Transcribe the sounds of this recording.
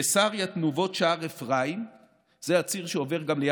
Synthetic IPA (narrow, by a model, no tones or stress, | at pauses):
esaʁjat̪nuvo̞tʃaaʁefʁaim | z̥eat͡siʁʃeove̞ʁɡamlej